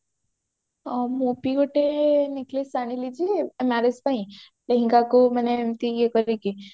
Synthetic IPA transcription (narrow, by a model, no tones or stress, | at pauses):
mupiɡoʈeniklisañilid͡ʒimaɾespaĩ | leɦĩŋɡakumənemt̪ijekɔɾiki